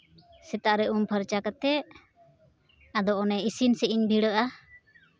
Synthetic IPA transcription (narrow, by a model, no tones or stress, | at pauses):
sɛt̪aʔɾɛʔumpəɾt͡ʃakət̪ɛʔ | ad̪ɔːnɛisinsɛʔiɲbiɽəʔa